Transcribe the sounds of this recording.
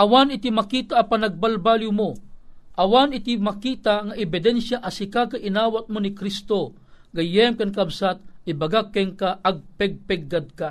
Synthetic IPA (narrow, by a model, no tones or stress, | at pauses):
ʔawanɪt̪imakiːt̪aʔːpanaɡ̚balbaːljumoʔɐwanɪt̪imakiːt̪aŋaʔɛbɪd̪ɛnʃjaʔasikakaʔɪnaːwat̪̚monikɾist̪o | ɡɐjɛmkankabsat̪̚ibaɡakːɛŋkaʔaɡ̚pɛɡ̚pɛɡ̚ːad̪̚ka